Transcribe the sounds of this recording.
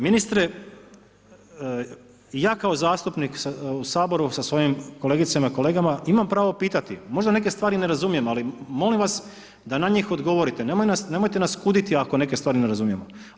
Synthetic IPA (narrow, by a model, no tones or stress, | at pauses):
minist̪ɾe | jaːkao̞zaːst̪upniksausaːbo̞ɾusasʋo̞jimkole̞ːɡit̪samaiko̞le̞ːɡamaimampɾaːʋo̞piːt̪at̪imo̞ʒd̪ane̞k̬e̞st̪ʋaːɾine̞ɾazumije̞malimo̞limʋas | d̪anaɲiːxo̞d̪ɡo̞ʋo̞ɾit̪e̞nemojnasne̞mo̞jt̪e̞naskud̪it̪iako̞ne̞kest̪ʋaːɾineɾazumije̞mo